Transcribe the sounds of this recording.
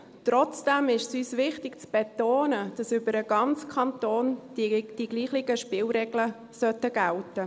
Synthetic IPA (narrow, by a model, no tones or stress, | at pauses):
t̪ɾɔt͡sd̥ɛmɪʃsyːsʋɪχtɪɡ̥t͡sb̥et̪oːnəd̥ɑsʏbəɾəɡ̥ɑnt͡skʰɑnt̪oːnd̥iɡliːχlɪɡəʃpɪːlɾɛɡlə | sœt̪əɡ̥æltə